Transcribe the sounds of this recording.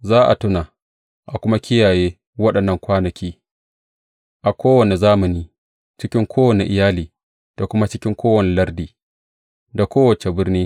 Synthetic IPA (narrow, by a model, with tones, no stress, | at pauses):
zaː˦ʔa̰˨tʊ˦na˨ | ʔa˨kʷʊ˦ma˦kʲɪ˦jaː˨jeː˦ | wɐ˦ɗɐ˨nːɐ˦˨ŋkʷaː˦nɐ˨kʲʰiː˦ | ʔa˨kʷoː˦wɐ˨ne˨zaː˦mɐ˨niː˦ | t͡ʃɪ˦kʲɪ˦ŋkʷʰoː˦wɐ˨ne˨ʔɪ˨jaː˦liː˨ | d̥a˨kʷʊ˦ma˦t͡ʃɪ˦kʲɪ˦ŋkʷoː˦wɐ˨ne˨lɐ˦rdiː˨ | da˨kʷoː˦wɐ˨t͡ʃe˨bɪ˦rniː˦